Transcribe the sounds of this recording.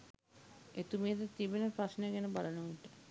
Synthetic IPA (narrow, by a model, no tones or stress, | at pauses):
et̪umiət̪ət̪ibenəpɾasnəɡænəbalənuʋiʈə